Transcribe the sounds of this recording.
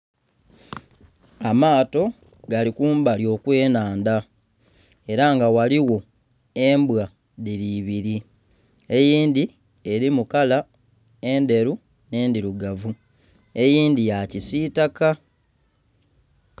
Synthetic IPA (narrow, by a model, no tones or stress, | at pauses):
amaːto̞ | ɡalikuːmbaljo̞ːkwe̞ːnaːnda | e̞ɾaŋɡawaliwo̞ | e̞mbwa | ðiɾiβiɾi | e̞jiːnd̪i | e̞ɾimukala | e̞nde̞ɾu | ne̞ːndiɾuɡavu | e̞jiːndijacisitaka